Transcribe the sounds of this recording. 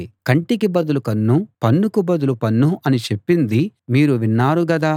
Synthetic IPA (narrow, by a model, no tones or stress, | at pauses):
kɐɳʈikibɐd̪ulukɐnːupɐnːukubɐd̪ulupɐnːuʔɐnit͡ʃe̞pːind̪imiːɾuʋinːaːɾuɡɐd̪aː